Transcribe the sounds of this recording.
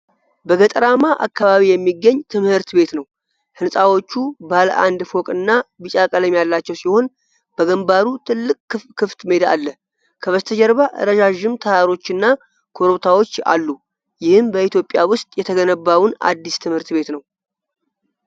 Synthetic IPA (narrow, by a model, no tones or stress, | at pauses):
bəɡət̪ʼəɾamaʔa̰kːaβaβijɛmːiɡːəɲːt̪ʰɨmhɨɾt̪be̞t̪nəw | hɨnsʼawo̞t͡ʃːubaləʔand̪fo̞kʼɨnːabɨt͡ʃʼakʼələmjalːat͡ʃːɛwsiho̞n | b̥əɡəmbaɾut̪ʰɨlːɨkʼːɨkʰːɨft̪med̪a̰lːə | kʰəβəst̪ʰəd͡ʒɛɾβaʔɾəʒaʒːɪmt̪ʰəhaɾo̞t͡ʃːɨnːa | kʰo̞ɾoβt̪ʰawo̞t͡ʃːa̰lːu | jɪhɨmbəit̪jo̞pʼːjawʊst̪ʼjɛt̪ʰəɡənəbːawʊna̰d̪ːist̪ʰɨmhɨɾt̪βe̞t̪nəw